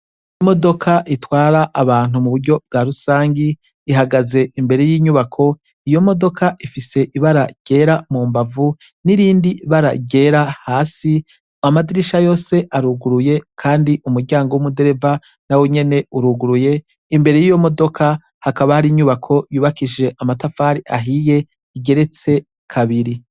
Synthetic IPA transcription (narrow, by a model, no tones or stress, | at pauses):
imo̞do̞kʰaʔitwaːɾaʔːβaːn̥humuβuɾɟo̞b̚ɡaɾusaːŋɡiː | ɦaɡaze̞ʔimbe̞ɾe̞jiːɲuβakʰo̞ | ijo̞mo̞do̞kʰaʔifise̞ʔiβaɾaɟ̥e̞ːɾamuːmbavu | niɾiːndiβaɾa̰ɟe̞ɾahaːsi | amadiɾiʃajo̞ːse̞ʔaɾuɡuɾuje̞kʰaːndiʔumuɾɟaːŋɡowumude̞ɾe̞va | naweɲe̞ne̞uɾuɡuɾuje̞ | imbe̞ɾe̞jijo̞mo̞do̞kʰa | hakaβahaɾiɲuβakʰo̞juːβakiʒe̞ʔamatafaɾiʔaɦije̞ | iɡe̞ɾe̞t͡se̞ | kʰaβiɾi